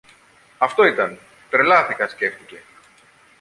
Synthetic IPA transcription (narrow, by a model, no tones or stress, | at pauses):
ɐft̪o̞it̪ɐn | t̪ɾe̞lɐθikɐsce̞ft̪ice̞